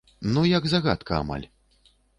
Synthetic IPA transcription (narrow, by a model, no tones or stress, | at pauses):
nujɐɡzaɣa̰t̪kʰɐa̰ma̰lʲ